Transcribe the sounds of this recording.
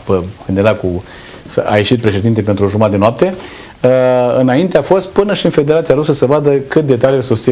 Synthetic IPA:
pəkɨnd̪ed̪aku | səa̰jeʃit̪̚pɾe̞ʃe̞d̪int̪epe̞nt̪ɾuʒumat̪d̪enoap̚t̪e̞ | ɨnaint̪eafo̞st̪̚pɨnəʃiɨnfe̞d̪e̞ɾat̪siaɾusəsəvad̪əkɨt̪̚d̪e̞t̪aliesust̪i

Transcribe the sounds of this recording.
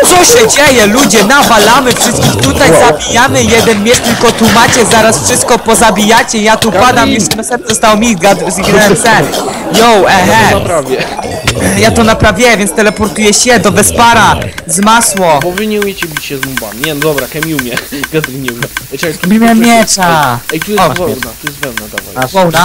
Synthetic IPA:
t̪sɔɕɛd͡ʑɛjɛlud͡ʑɛnavalamɘfʂɘst̪kʲixt̪ut̪ajzabʲijamɘjɛd̪ɛnmʲjɛʂt̪ʲilkɔt̪umat͡ɕɛzaɾasfʂɨst̪kɔpɔzabʲijat͡ɕɛjat̪upad̪ammjɛɛmɛsɛnzɔst̪awmʲiɡad̪ɾzɡnɛsɛjɔwɛɦɛpɾavʲjɛ | jat̪ɔnapɾavʲjɛvʲjɛnst̪ɛlɛpɔɾt̪ujɛɕɛd̪ɔvɛspaɾazmaswɔpɔvɨɲɛumʲjɛt͡ɕɛbʲit͡ɕɕɛzmuba̰mʲɲɛnɔd̪ɔbɾakɛmʲjumʲjɛɡad̪ɾiɲɛɛt͡ɕabimjɛmʲjɛt͡ʂait̪ujɛɔvɔɛwnat̪ujɛst̪vɛwnad̪ava̰jvɔwna

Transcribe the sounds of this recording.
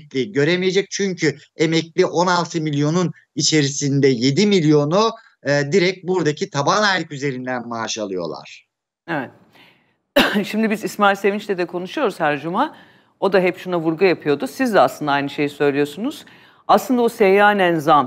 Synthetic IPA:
lʲiɟø̞ɾemije̞d͡ʒɛc̚t͡ʃʰyɲcʰye̞mɛclʲiʔo̞nalˠt̪ʰɯmilʲjo̞nun | it͡ʃʰe̞ɾisind̪ɛje̞d̪imilʲjo̞nu | d̪iɾɛc̚buɾd̪acʰit̪ʰabanajlʲikyze̞ɾind̪ænmaːʃalˠɯjo̞̰lˠa̰ɾ̥ | evɛt̪̚ | ʃimd̪ibizismaɾse̞vint͡ʃlʲɛd̪ɛkʰo̞nuʃujo̞ɾuzhæɾd͡ʒuma | o̞d̪aɦɛpʃunavuɾɡujapʰɯjo̞d̪usizd̪ɛaslɯnd̪aajnɯʃe̞jisø̞jlʲijo̞ɾsunuz̥ | aslɯnd̪aosejaːnænzam

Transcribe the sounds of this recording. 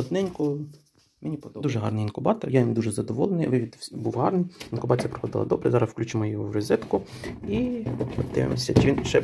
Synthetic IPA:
ɔd̪nɛnʲkʊ | menʲipd̪uʒɛɦɑ̰rnɪjinkʊbɑt̪ɔrjad̪uʒɛzɐd̪ɔʋɔlˠenɪjʋɪʋʲid̪buʋɦɑrnɪjinkʊbɑt͡sʲijɐpɾɔ̥xɔd̪ɪlˠɐ̰d̪ɔbɾḛzɑɾɐswklʲut͡ʃɪmɔjɔɦɔwrezɛt̪kʊiɔt̪ɪ̰ʋḛmɔsʲɐt͡ʃiʋinʃɛ

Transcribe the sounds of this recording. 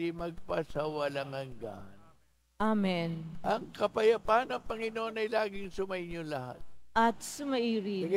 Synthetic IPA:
imɐɡ̚pasawɐlɐŋhɐŋɡa̰n | ʔamɛnʔɐŋkɐpɐjɐpanɐŋpɐŋɪnoʔonɐjlaːɡɪŋsʊmɐʔɪɲolɐha̰t̪̚ʔɐt̪sʊmɐʔiːɾi

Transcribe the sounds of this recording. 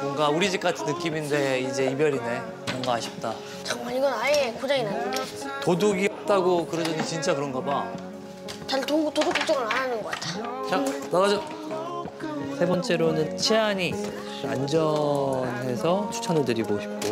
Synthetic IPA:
mʌŋɡauɾid͡ʑik͈atʰɯnːɯk͈iminde̞id͡ʑe̞ibjʌɾine̞ | mʌŋɡaaɕʰi̥p̚t͈a | t͡ɕʌŋmaiɡʌnaekod͡ʑaŋinanɯnde | toduɡiʌp̚t͈aɡokɯɾʌd͡ʑʌɲit͡ɕint͡ɕ͈akɯɾʌnɡʌba | t͡ɕaltotodok͈̚ːok̚t͡ɕ͈ʌŋɯɾananɯnɡʌk͈atʰat͡ɕanaɣad͡ʑo | sʰe̞bʌnt͡ɕ͈e̞ɾonɯnt͡ɕʰeɦaɲi | and͡ʑʌnɦe̞sʰʌt͡ɕʰu̥t͡ɕʰʌnɯɭtɯɾiɡoɕʰi̥p̚k͈o

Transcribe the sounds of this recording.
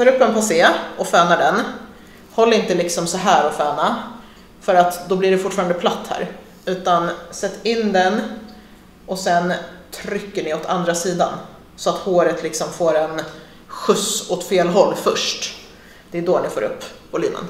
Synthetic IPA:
t̪ɑːɾɵpːɛnpʰaseːɔfɛːnaɖɛn | hɔlːɾɪnt̪əlɪksɔmsɔɦæːɾɔfɛːna | fœɾat̪d̪ɔblɪɖɛfʊʈːfɑɾand̪əpʰlat̪ːhæ̰ːɾ | ʉ̟ːt̪ansɛt̪ːɪnd̪ɛn | ʔɔsɛnt̪ʰɾʏkːəɳɪɔt̪ʰand̪ɾasiːd̪a̰n | sɔat̪hoːɾət̪ʰlɪksɔmfoːɾɛn | ɧɵsɔt̪feːlɦɔlːfœʂʈ | d̪̥ɛːd̪oːnɪfoːɾɵ̰pːpʰːɔlɪnːə̰n

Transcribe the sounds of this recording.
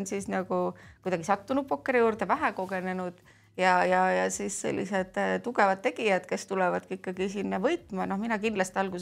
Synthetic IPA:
nsisnɑɡ̥ukujd̪ɑɡ̥isɑt̪ːunub̥̚pokːe̞ɾijuːrd̪evæɦeko̞ɡe̞ne̞nud̪̥ | jɑjɑjɑsiːssḛlʲːḭse̞d̪̥t̪uɡ̥e̞vɑd̪̥̚t̪ːe̞ɡ̥ijɑd̪̥ke̞st̪ulɛvɑd̪̥kiikːˑɑɡis̬inːɑvɤjt̪ˑmɑno̞hminɑkind̥̪lɑst̪iɑlɡus

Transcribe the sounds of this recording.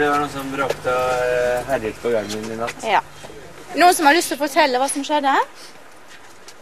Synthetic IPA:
d̪ɛʋɑɳuːsɔmbɾøːkt̪əɔɦæɾɪk̪pʰɔɡɑŋɪnɪnɑt̪ːjɑː | nuːənsɔmhɑɾɭlʏst̪ɛlɔfɔʈʰɛlːəʋɑːsɔmʂɛd̪ːəhæɾ

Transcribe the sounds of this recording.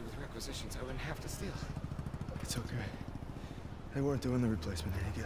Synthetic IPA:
wɨðɹɛkwɨzɪʃɨ̃nzaɪwʊdⁿn̩t̚ɦæftɨstilˠ | ɨtsoʊkʰeɪ | aɪwɔɹnd̥ɨɪ̃nðɨɹipʰl̥eɪsmɨ̃nɨjɨɡɛ

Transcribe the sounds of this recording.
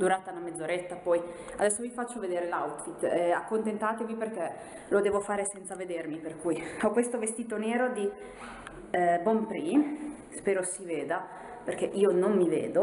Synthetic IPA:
d̪uɾaːt̪anamed̪zːoɾet̪ːapɔj | ad̪ɛsːovifat͡ʃːoved̪eːɾelawt̪fit̪ːɛakːont̪ent̪aːt̪eviperk̟e | lod̪eːvofaːɾesɛnt̪saved̪ermiperkujɔkːwest̪ovest̪iːt̪oneːɾod̪i | bɔmpɾiː | speːɾosiveːd̪a | perkɛʔiːonomːivḛːd̪o

